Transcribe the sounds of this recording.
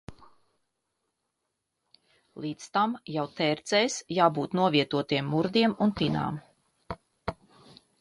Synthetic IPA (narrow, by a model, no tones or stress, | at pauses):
lˠiːt̪st̪amjawt̪ɛːɾt̪sɛjsjaːbuːt̪nuɔviɛt̪uɔt̪iɛmːuɾd̪iɛmunt̪ina̰ːm